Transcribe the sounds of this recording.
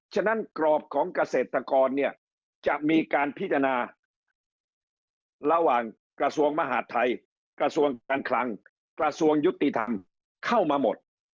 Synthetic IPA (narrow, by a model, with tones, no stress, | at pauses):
t͡ɕʰa˥˩na˦˥nkɾɔː˨˩p̚kʰɔː˩˦ŋka˧seː˨˩t̪ʰːa˧kɔː˧nːi˥˩ɐ | t͡ɕa˨˩ʔmiː˧kaː˧npʰi˦˥t̪̚ʰːa˧naː˧ | ɾa˧waː˨˩ŋ | kɾa˧su˧əŋma˧ɦaː˩˥t̪ʰːa˧j | kɾa˧su˧əŋaː˧nkʰla˧ŋ | kɾa˧su˧əŋju˦˥t̪ːi˨˩t̪ʰa̰˧m | kʰa˥˩wmaː˧mo˨˩t̪̚